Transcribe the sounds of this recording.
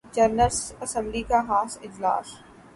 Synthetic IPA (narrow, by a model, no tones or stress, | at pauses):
d͡ʒɐɾnəlsɐsə̃mblikaɦaːsɪd͡ʑla̰ːs